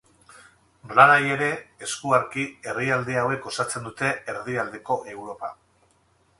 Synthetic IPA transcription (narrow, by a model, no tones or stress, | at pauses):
blaɾaje̞ɾe̞eskuaɾkie̞riald̪eawe̞kːo̞sat͡se̞nd̪ut̪e̞eɾðiald̪e̞ko̞ʔe̞wɾo̞pa̰